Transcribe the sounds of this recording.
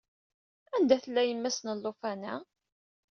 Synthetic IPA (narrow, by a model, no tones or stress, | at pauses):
ænd̪æθəlːæjəmːæsnəlːofænæ